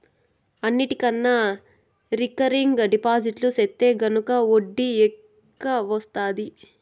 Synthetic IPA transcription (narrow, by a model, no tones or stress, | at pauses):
ɐnːiʈikɐnːɐ | ɾikɐɾiŋɡɖipaːd͡ʒiʈluset̪ːe̞ːɡɐnukɐoɖːiɛ | kːɐʋɐst̪aːd̪i